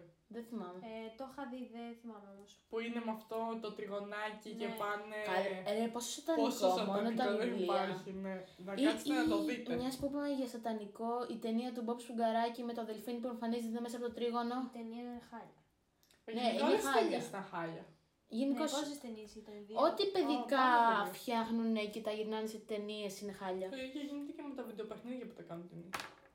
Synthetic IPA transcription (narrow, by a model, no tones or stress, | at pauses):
ðeθimɐmet̪oxɐðiðeθimɐmeomospuinemɐft̪ot̪ot̪ɾiɣo̞nɐcicepɐneposesot̪ɐnikomonot̪ɐliɐɾçine | nɐkiiɐt̪oit̪emɲɐspopmʝɐst̪ɐt̪ɐniko̞it̪e̞niɐt̪̬ubopspuɡɐɾɐcimet̪oɐðe̞lfinipueɱfɐnizt̪emes̬ɐpot̪ot̪ɾiɣo̞no̞t̪eniɐnexɐʎɐ | nenexɐʎɐst̪ɐxɐʎɐ | ʝinikososst̪eniesit̪ɐo̞t̪ipeðikɐfçɐxnunecit̪ɐʝiɾnɐniset̪e̞nie̞sinexɐʎɐiçeʝinit̪ecemet̪ɐvid̪eopexniðjɐpo̥t̪ɐkɐnunt̪eni